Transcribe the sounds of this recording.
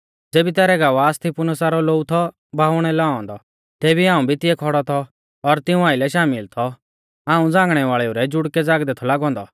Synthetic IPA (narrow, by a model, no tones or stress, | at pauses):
d͡zeːbit̪ɛːɾɛɡaːʋaːst̪ʰipʊnəsaɾɔloːut̪ʰɔ | bʱaːʋɽ̃ɛlɛɔ̃nd̪ɔ | t̪ɛːbiãːũbʱit̪ɪɛkʰɔɽɔt̪ʰɔː | ɾt̪ɪũaːɪlɛʃaːmɪlt̪ʰɔ | aːũd͡zãːŋɡɽ̃ɛʋaːɭɛuɾɛd͡ʒʊɽkɛd͡zaːɡd̪ɛt̪ʰɔlaːɡɔ̃ːnd̪ɔ